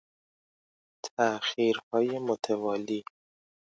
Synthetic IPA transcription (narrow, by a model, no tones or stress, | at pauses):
t̪ʰæxiːɾhɒːjemot̪ʰevɒːliː